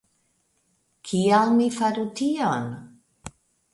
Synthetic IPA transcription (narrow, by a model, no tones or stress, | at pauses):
kʰialmifaɾut̪ʰiɔn